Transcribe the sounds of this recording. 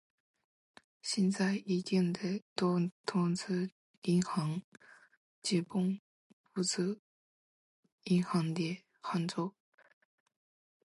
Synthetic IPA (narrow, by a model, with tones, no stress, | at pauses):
ɕjɛ˥˧nt͡sa˥˩ɪi˧˥t̪i˥˩ŋd̪ə˨t̪ɔ˥t̪ʰʊ˥ŋt͡s̩ʰ˥ | i˧˥nxɑ˧˥ŋ | t͡ɕi˧˥pʊ˥˧ŋ | pu˥˩t͡s̩ʰ˥ | i˧˥nxɑ˧˥ŋt̪jɛ˥˩ | xa˥nt͡so˥˧ʊ